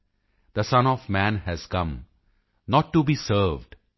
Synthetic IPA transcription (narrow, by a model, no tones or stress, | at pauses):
d̪̥əsʌ̃nɔvmæ̃nhæz̥kʌ̃m | nɔʈːubiːsəɾvɖ